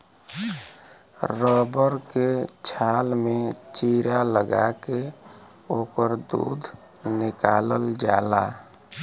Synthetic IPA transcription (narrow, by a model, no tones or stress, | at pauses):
ɾɔbəɾket͡ʃʰalmet͡ʃiɾaləɡake | okəɾd̪ṵd̪ʱ | nikaləld͡ʒala